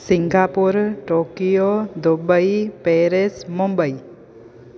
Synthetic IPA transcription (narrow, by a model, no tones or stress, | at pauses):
siŋɡapuɾʈokijod̪obəjpeɾesmɔmbəj